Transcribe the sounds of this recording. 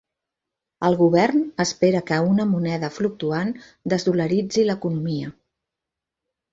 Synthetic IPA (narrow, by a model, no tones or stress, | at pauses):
əlˠɣuβɛrnəspeɾəkəunəmunɛðəfluk̚t̪uan | d̪əzðuləɾid͡ziləkunumiə